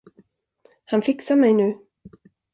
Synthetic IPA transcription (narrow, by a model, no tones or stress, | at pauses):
hanfɪksamɛjnʉ̟ː